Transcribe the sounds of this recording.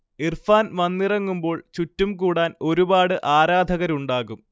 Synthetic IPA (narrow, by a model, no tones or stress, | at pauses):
irfaːnmɐnːirɐŋːumbo̞ːɭt͡ɕutːumkuːɽaːno̞ɾubaːɽɨʔaːɾaːd̪ʱɐɣɐɾuɳɖaːɣum